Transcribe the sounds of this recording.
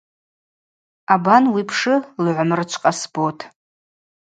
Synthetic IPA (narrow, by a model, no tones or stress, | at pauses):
abanwipʰʂɨlʕʷmrɨt͡ʃʷʰqʼasbotʰʼ